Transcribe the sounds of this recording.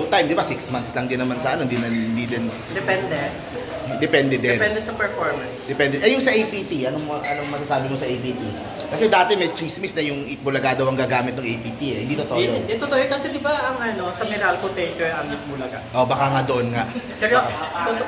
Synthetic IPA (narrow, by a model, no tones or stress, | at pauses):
t̪ajmd̪ɪbasɪksmant̪slɐŋd̪ɪnːɐmansɐʔɐnoɪnd̪inɐnɪnd̪id̪ɪn | d̪ɛpɛnd̪ɛ | d̪ɛpɛnd̪ɛd̪ɛɛnpɛnd̪ɛsɐpɛɹfoɹmɐnsd̪ɛpɛnd̪ɛʔɛjʊŋsɐʔejpit̪iʔɐnomoʔɐnomɐsaːsaːbɪmosɐʔejpiːt̪i | kɐsɛd̪aːt̪ɛmɛjt̪ɹismisnɐjʊŋʔɪt̪̚bʊlɐɡaːd̪ɐwɐŋɡaːɡaːmɪt̪̚nɐŋʔejpiːt̪iɛhɪnd̪iːt̪ot̪oʔjod̪ɛt̪ot̪oʔjokɐsɛd̪ɪbaʔɐŋʔɐno̞sɐmɛɾalkot̪ɛjt̪ɛɹɐmɪt̪̚mulɐɡaʔobɐkaŋad̪oʔonŋaʔsɛɡoʔd̪on